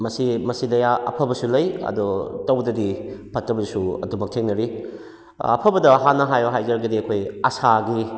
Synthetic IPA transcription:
mɐsimɐsidɐjaʔɐpʰɐbɐsulɐjɐ̰dɔtɐwdɐdipʰɐtːɐbɐsuɐ̰dumɐk̚tʰeŋnɐɾi | ɐ̰pʰɐbɐdɐɦanːɐɦajoɦajzɐɾɐɡɐdiɐkʰojɐsaɡi

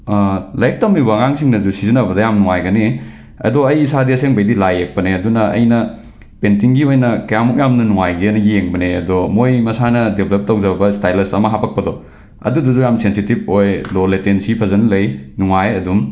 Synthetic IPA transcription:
lajk̚tamibaŋaŋsiŋnɐzusizinɐbɐdɐjamnuŋajɡɐne | ɐ̰doɐjisadiɐseŋbɐjdilajek̚pɐneɐdunɐɐ̰jnɐ | pentiŋɡiojnɐkɐjamɔk̚jamnɐnuŋajɡiɐnɐɡijeŋbɐneɐdɔmojmɐsanɐdebʱlep̚tɐwd͡ʒɐbɐstajlɐsɐmɐɦapɐk̚pɐdɔ | ɐ̰dudɐzujamsensitib̚ojloletensipʰɐzɐnɐlɐjnuŋajɐdum

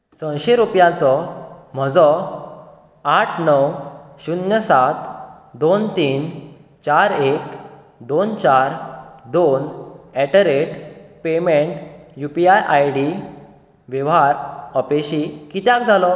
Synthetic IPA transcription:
sə̃w̃ɕeɾupjãt͡sɔm̤əd͡zɔ | aʈʰnəwɕunjəsat̪ | d̪ont̪iːn | t͡ɕaɾek | d̪ont͡ɕaɾd̪onɛʈəɾeʈpemeɳʈjupiajʔajɽi | ʋjɛʋɦaɾəpeɕikit̪jãkd͡zʱalɔ

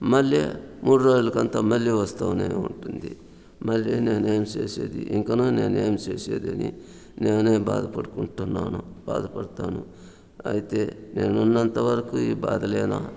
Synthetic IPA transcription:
mɐljḛmuːɽuɾoːd͡ʒulɐkɐnt̪ɐmɐljiʋɐst̪ɐʋɐnḛːṵɳʈund̪i | mɐljene̞ːneːmt͡ʃeːsḛːd̪ḭʔiŋkɐnuːne̞ːneːmt͡ʃeːsḛːd̪ɐnḭ | neːneːbaːd̪ɐpɐɽukuɳʈunːa̰ːnub̥aːd̪ɐpɐɽɐt̪aːnu | ɐ̰jit̪e̞ne̞ːnunːɐnt̪ɐʋɐɾɐkuiːba̰ːd̪ɐlɛːnɐ̰

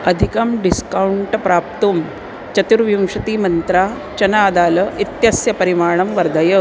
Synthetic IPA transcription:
ɐd̪ʱikɐmɖiskawuɳʈpɾaːp̚t̪um | t͡ɕɐt̪uɾʋjumʂɐt̪iːmɐnt̪ɾaː | t͡ɕɐnaːd̪aːlɐit̪jɐsjɐpɐɾimaːɳ̃ɐmʋɐɾd̪ʱɐjɐ

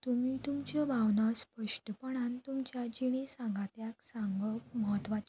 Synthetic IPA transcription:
t̪umiːt̪umt͡ɕjɔbʱaʋnaspəʂʈəpəɽ̃ãnt̪umt͡ɕjad͡ʑiɽ̃ẽsãŋɡat̪jaksãŋɡəməɦət̪ʋat͡ɕ

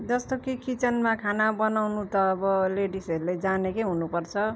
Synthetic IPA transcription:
d͡zʌst̪okikit͡sʌnmakʰanabʌnawnut̪ʌːbʌleɖisʌɾuled͡zanekeɦunupʌrt͡sʰʌ

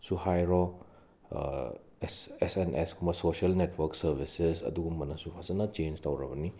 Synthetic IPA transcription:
suhajɾɔ | sesenʔeskʰumbɐsosiɐlnetʰwɐɾksɐɾbʱisesɐ̰duɡumːɐnɐsupʰazɐnɐt͡ʃend͡ʒtawɾɐbɐni

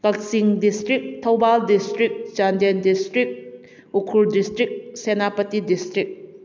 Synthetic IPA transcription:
kɐk̚siŋdistɾik̚tʰɐwbaldistɾik̚t͡ʃandendistɾik̚ | ukʰuldistɾik̚senapɐtidistɾik̚

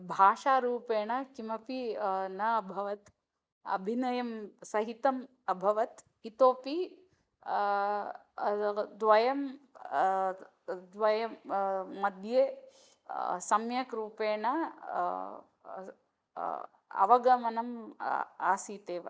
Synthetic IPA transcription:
bʱaːʃaːɾuːpeːɳɐkimɐpinɐɐbʱɐʋɐt̪ | ɐ̰bʱinɐjɐmsɐɦit̪ɐm | ɐbʱɐʋɐt̪ | it̪oːpi | d̪ʋɐjɐm | d̪ʋɐjɐː | ɐd̪ʱjeː | sɐmjɐkɾuːpeːɳɐ | ɐ̰ʋɐɡɐmɐnɐm | aːsiːt̪eːʋɐ̰

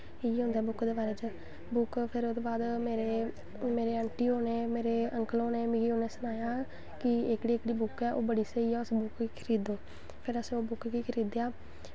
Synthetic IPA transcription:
iɦʊ̃nd̪ɛːbʊkd̪eːbaːɾeːt͡ʃə | bʊkpʰɪɾd̪oːbaːd̪meːɾeː | meːɾeːəɳʈiːɦoːneːmeːɾeːəŋkəloːneːmiːɡiːɦoːneːsənaːjaː | kɪɪkɽiːɪkɽiːbʊkɛːʔoːbəɽiːsəiːɛːʊsbʊkːiːkʰəɾiːd̪oː | pʰɪɾəsoːbʊkɡiːkʰəɾiːd̪jaː

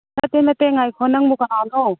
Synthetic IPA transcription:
nɐt̪enɐt̪eŋajkʰɔnɐŋmukananɔ

